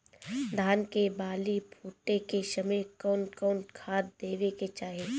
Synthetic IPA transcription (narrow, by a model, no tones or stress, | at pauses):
d̪ʱaːnkebaːlipʰuːʈekeʃəmekɔːnkɔːnkʰaːt̪d̪eːʋeket͡ʃaːɦe